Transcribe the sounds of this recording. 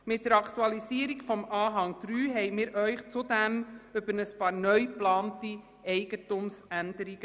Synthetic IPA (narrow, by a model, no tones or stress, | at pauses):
mɪt̚d̥əɾɑktuɑlisiəɾiɡfɔmɑːɦɑŋd̥ɾyːɦɛɪmɪːɾʔœʏχt͡sudæmʏbəɾnəspɑːɾnœʏplɑːnti | ɛɪɡ̥ətʊmsændəɾiɡ̥ə